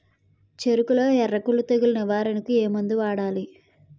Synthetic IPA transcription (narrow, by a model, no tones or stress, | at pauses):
t͡ʃeɾukuloːɛrɐkulut̪ɐɡulinɐʋaːɾɐnɐkueːmund̪uʋaːɽaːli